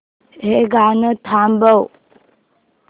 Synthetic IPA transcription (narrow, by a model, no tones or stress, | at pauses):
ɦeɡaːnət̪ʰambəw